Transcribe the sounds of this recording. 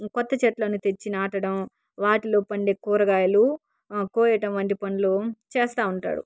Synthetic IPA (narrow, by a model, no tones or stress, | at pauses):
kɔt̪ːɐt͡ʃɛʈlɐnut̪et͡ʃːinaːʈɐɽɐm | ʋaːʈiloːpɐɳɖeːkuːɾɐɡaːjɐlu | koːjjɐʈɐmʋɐnʈipɐnlot͡ʃeːst̪aːuɳʈa̰ːɽṵ